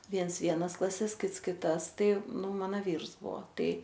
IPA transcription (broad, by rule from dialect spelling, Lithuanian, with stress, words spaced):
ˈʋʲiɛns ˈʋʲiɛnɐs klˠɐˈsʲɛs ˈkʲɪts kʲɪˈtɐs ˈtɐɪ ˈnʊ ˈmɑːnoː ˈʋʲiːrs ˈbuɔ ˈtɐɪ